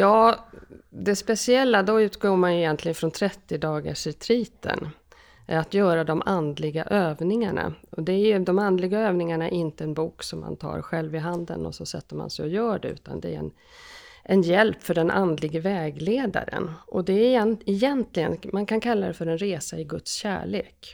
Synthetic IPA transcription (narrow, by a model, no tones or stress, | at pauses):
jɑː | d̪ɛspɛsɪɛlːad̪ɔʉ̟ːt̪ɡoːmanjɵjɛnt̪lɪɡənfɾɔnt̪ʰɾɛt̪ːɪd̪ɑːɡa̰ʂɛt̪ʰɾiːt̪ə̰n | ʔæɾat̪jœːɾad̪ɔmʔand̪lɪɡa̰ʔøːvnɪŋa̰ɳa̰ɔd̪ɛæɾjɵd̪ɔmand̪lɪɡaøːvnɪŋaɳaæɾɪnt̪əɛnbuːksɔmːa̰nt̪ʰɑ̰ːɾɧɛlvɪɦand̪ə̰nɔ̰sɔsɛ̰t̪ːəma̰nsɛjɔjœːɖɛʉ̟̰ːt̪a̰nd̪ɛæ̰ɾɛ̰n | ʔɛnjɛlpfœɖɛnʔand̪lɪɡəvɛːɡleːd̪a̰ɾə̰nʔɔd̪ɛɛɛjɛnt̪lɪɡə̰nmankʰankʰalːad̪ɛfœɾɛnɾeːsaɪɡɵt̪sɕæ̰ːɭeːk